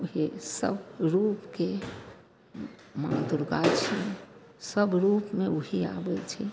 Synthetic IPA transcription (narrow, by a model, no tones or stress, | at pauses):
uɦesə̰bɾupke | mã̰d̪uɾɡat͡ʃʰɛ | səbɾupmeuɦea̰bɛt͡ʃʰɛ